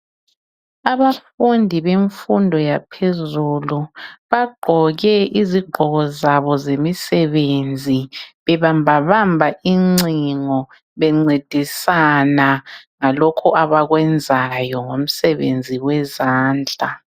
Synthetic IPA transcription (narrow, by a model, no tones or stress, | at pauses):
aβafundʱiβeɱfundʱɔjapʰezuluβaɡ͡ǃʱɔɣɛiziɡ͡ǃʱɔɣɔzaβɔzemisɛβend͡zʱiβɛβambʱaβambʱaʔiŋ͡ǀiŋɔ | βɛŋ͡ǀed̥ʱisanaŋalɔkʰuʔaβaɣwɛnd͡zʱajɔŋom̩sɛβḛnd͡zʱiwɛzaːnd͡ɮʱa